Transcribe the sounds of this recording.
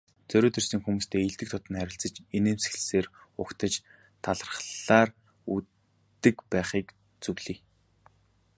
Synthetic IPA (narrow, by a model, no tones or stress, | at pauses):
t͡sœɾʲoːt̪ʰersɘ̆ŋxumuːst̪ʰeːiɮt̪ɘ̆k̚t̪ʰʊt̪ə̆nχæɾʲɪ̆ɬt͡sə̆t͡ɕeneːmse̥xɮɘ̆seːrʊkt̪ʰə̆t͡ɕ | t̪ʰaɮərə̆χɮaːr | u | t̪ːɘ̆kpæːχiːk | t͡sɵwɮiː